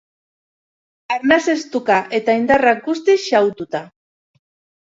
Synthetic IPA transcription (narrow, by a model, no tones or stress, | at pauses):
aɾnase̞st̪ukaʔe̞t̪aind̪arak̚ɡust̪isʃawt̪ut̪a